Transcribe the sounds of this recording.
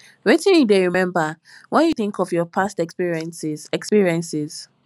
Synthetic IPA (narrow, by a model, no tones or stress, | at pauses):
ɹitɛ̃njudeɹimɛ̃mba | wɛ̃njuθɪ̃ŋkɔvjɔpʰastɛkspiɹiɛ̃nsizɛkspiɹiɛ̃nsɪz̥